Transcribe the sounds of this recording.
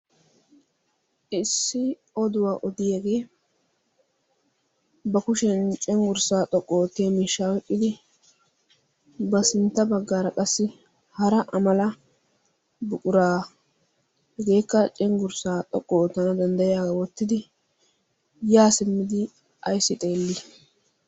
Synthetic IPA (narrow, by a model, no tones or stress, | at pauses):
ɪsːɪ | ɔd̪ʊwaːʔɔd̪ɪjeːɡe̞ː | bɐkʊʃɛnt͡ʃʼɛŋɡʊɾsaːt̪ʼɔkʼːoːt̪ːɪjemiːʃːaːwɛkʼːɪd̪ɪ | bɐsɪnt̪ːɐbɐɡːaːɾɐkʼɐsːɪ | hɐɾɐʔɐmɐlɐ | bʊkʼʊɾaː | hɛɡe̞ːkːɐt͡ʃʼɛŋɡʊɾsaːt̪ʼɔkʼːoːt̪ːɐnɐd̪ɐnd̪ɐjaːɡɐwɔt̪ːɪd̪ɪ | jaːsɪmːɪd̪ɪ | ɐjsːɪt̪ʼe̞ːlːɪ